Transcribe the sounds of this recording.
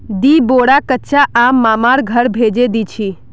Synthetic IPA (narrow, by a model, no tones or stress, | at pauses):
d̪iboːɽakətːʃʰaʔaːmːaːmaɾɡʱəɾbʱeːd͡ʒed̪it͡ʃʰi